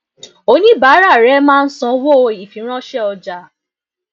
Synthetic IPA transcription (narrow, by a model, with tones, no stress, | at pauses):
o˧˦nĩ˦baː˨˦ɾa˦˨ɾɛ˨˦mãː˦˧n̩˦sɔ̃˧wo˦˧i˨fĩ˨˦ɾ̃ɔ̃˦ʃɛ˦ɔ˧d͡ʒa˨